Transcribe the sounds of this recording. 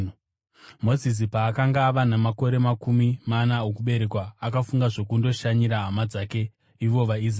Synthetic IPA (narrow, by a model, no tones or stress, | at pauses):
mo̞zis̬ipaːkaŋɡaːʋanamako̞ɾe̞makumimanaokuɓe̞ɾe̞kwaːkafuŋɡaʐo̞kundo̞ʃaɲiɾaɦamad͡zake̞ | iʋo̞ʋaiz